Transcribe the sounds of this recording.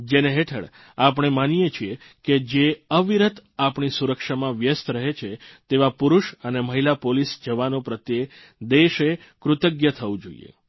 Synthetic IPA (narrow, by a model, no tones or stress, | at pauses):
d͡ʒeneɦeʈʰə̰ɽ | apɳ̃emanijet͡ʃʰie | ked͡ʒeəʋiɾət̪apɳ̃isuɾəkʃamãʋjəst̪ɾəɦet͡ʃʰet̪eʋapuɾuʃəneməɦilapolisd͡ʒəʋanõpɾət̪je | d̪eʃe | kɾʊt̪əɡjət̪ʰəʋũd͡ʒo̰ḭjḛ